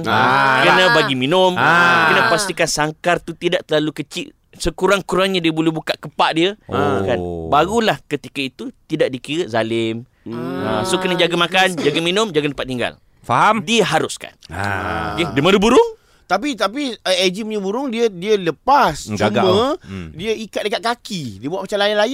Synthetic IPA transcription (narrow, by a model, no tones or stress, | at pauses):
nkənãbaɡiminʊmkkənəpast̪ikansaŋkart̪ut̪idaʔt̪əlalukət͡ʃɪʔ | səkuɾaŋkuɾaŋɲadiəbulubukaʔkəpaʔdiəkanbaɣulahkət̪ikait̪ut̪idaʔdikiɾəzalɪm | asokənad͡ʒaɡamakand͡ʒaɡaminʊmd͡ʒaɡandəpat̪̚iŋɡa̰l | faɦamdiəɦaɾʊska̰n̰o̰kediəmadubuɾʊŋ | t̪ap̬it̪ap̬iəed͡ʒiməɲəbuɾʊŋdiədiələpast͡ʃuɡamə̃diəikat̪̚dəkat̪̚kakidiəbuaʔpmat͡ʃalajanlaj